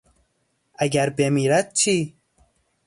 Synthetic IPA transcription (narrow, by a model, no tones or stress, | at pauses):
aɡaɾbemiɾat̪̚t͡ʃʰi